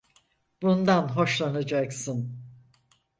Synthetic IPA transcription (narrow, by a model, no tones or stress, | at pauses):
bund̪anɦo̞ʃlˠanad͡ʒaksɯn